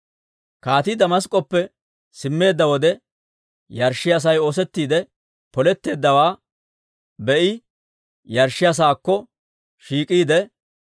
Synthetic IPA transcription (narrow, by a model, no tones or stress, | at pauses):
kaːt̪ɪd̪ɐmɐs̬kʼɔpːɛ | sɪmːe̞ːd̪ːɐwɔd̪ɛ | jɐɾʃːɪɐs̬ɐjo̞ːs̬ɛt̪ːiːd̪ɛ | pɔlɛt̪ːe̞ːd̪ːɐwaː | bɛʔɪ | jɐɾʃːɪɐs̬aːkːɔ | ʃiːkʼiːd̪ɛ